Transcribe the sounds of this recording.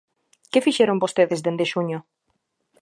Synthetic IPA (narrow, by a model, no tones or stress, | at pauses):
kefiʃeɾombost̪eðezðend̪eʃuɲo